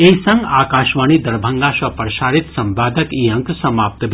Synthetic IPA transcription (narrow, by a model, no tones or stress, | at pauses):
eisɐ̃ŋɡaːkaːʃʋaːɳ̃iːd̪ɐɾbʱɐŋɡaːʃʋɐpɾɐʃaːɾit̪sɐmbaːd̪ɐkiːɐŋksɐmaːp̚t̪b